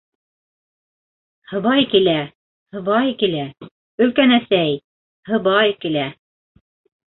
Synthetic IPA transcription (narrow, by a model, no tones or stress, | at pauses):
hɤ̆βɑjkilæ | hɤ̆βɑjkilæ | ɵ̆lkænæsæj | hɤ̆βɑjkilæ